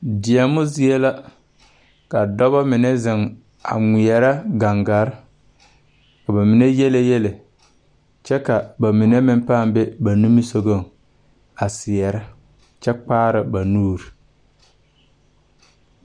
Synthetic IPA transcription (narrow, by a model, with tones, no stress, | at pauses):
dɪ˨ɛ˨mʊ˦zɪ˦ɛ˦la˦ | ka˨dɔ˦ba˦mɪ˨nɛ˦zɪ˨ŋ | a̰˨ŋʷɪ˨ɛ˨ɾa˦ɡa˨ŋɡa˨ɾɪ˦ | ka˨ba˨mɪ˨nɛ˦jɛ˦le˦jɛ˦lɪ˨ | t͡ʃɛ˦ka˨ba˨mɪ˨nɛ˦mɪ˦m˦paː˦˨mbɛ˦ba˨nu˦mi˦so˨ɡo˦˨ŋ | a˨sɪ˨ɛ˨ɾɪ˦ | t͡ʃɛ˦k͡paː˦ɾɪ˨ba˨nuː˦ɾi˨